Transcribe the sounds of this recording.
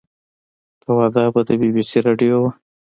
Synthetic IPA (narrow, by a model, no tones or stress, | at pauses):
t̪awɑd̪ɑbad̪əbibisiɾɑɖijowa